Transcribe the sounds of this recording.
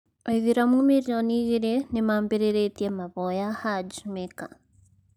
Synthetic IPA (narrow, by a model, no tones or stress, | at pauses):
eβiɾamumiɾjoniɣiɾenimaːmbiɾeɾetiemaβojahaɟumeka